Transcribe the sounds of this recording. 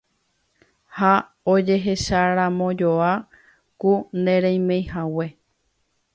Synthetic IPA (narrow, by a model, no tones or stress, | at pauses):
ha | od͡ʒe̞ɦe̞ʃaɾãmõ̞d͡ʒoa | kund̪ẽɾẽj̃mẽjhawe